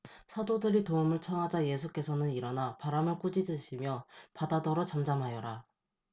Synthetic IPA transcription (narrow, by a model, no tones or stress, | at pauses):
sʰadodɯɾitoumɯɭt͡ɕʰʌŋɦad͡ʑaje̞sʰuk͈e̞sʰʌnɯniɾʌnapaɾamɯɭk͈ud͡ʑid͡ʑɯɕʰimjʌpadadʌɾot͡ɕamd͡ʑamɦajʌɾa